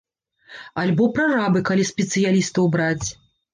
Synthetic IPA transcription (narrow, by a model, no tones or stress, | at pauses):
alʲbɔpɾarabɨkalʲisʲpʲɛt̪sɨjalʲist̪ɐwbɾat͡sʲ